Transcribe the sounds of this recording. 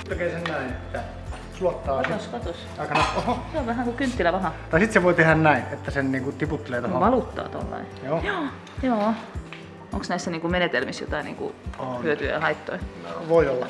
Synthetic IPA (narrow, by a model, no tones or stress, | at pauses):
okeˑisennæˑinet̪ːæ | suot̪ːɑːsit̪oskot̪os | ɑˑikɑnɑohɑseoʋʋæhæˑŋkukynt̪ːilæʋɑhɑt̪ɑˑisit̪seʋoˑit̪ehænnæˑinʔet̪ːæsenniːŋkut̪iput̪ːeleːt̪oʋɑlut̪ːɑ̰ːt̪ɑ̰lːɑ̰ijoːjoː | joː | o̰ŋksnæˑisːæniŋkumenet̪elmisjo̰t̪ɑˑinḭːŋkṵhyøt̪yæ̰jɑhɑit̪ːo̰iʋoˑiolːɑ